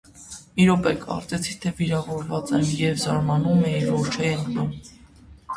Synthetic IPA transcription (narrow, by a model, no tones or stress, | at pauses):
miɾɔpɛkʰɑ̰ɾt͡sɛt͡sʰit̪ʰɛviɾɑvɔɾvɑt͡sɛnjɛvzɑɾmɑnumɛiɾɔɾt͡ʃʰɛɛnlum